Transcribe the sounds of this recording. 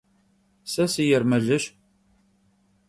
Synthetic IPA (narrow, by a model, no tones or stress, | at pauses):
sæsijəɾmæʒəʃ